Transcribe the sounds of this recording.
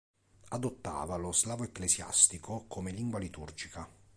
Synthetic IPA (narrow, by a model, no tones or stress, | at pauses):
ad̪ot̪ːa̰ːvalozlaːvoekːlesja̰st̪ikokʰomeliŋɡwalit̪urd͡ʒika